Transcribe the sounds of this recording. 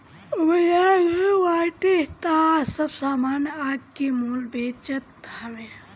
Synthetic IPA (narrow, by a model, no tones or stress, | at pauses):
wɐjajewaːʈet̪aːsɐbsaːmaːnjaːɡ̚kemuːlbeːt͡ʃət̪hɐʋe